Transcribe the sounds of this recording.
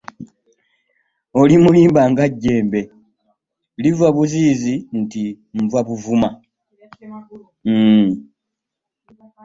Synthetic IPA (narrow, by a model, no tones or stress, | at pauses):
o̞limuliːmbaːŋɡaɟːe̞ːmbe̞ | livwaβuziːzinti | ɱvwaβuvuma